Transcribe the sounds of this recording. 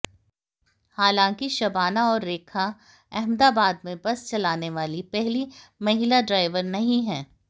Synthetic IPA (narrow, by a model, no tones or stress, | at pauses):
haːlãːŋkiʃɐbaːnaɔːɾːeːkʰa | ɛɦmd̪aːbaːd̪̚mẽbɐst͡ʃɐlaːneʋaːlipɛɦlimɐɦɪlaɖɾaːɪʋəɾnɐɦĩɦɛ̃ː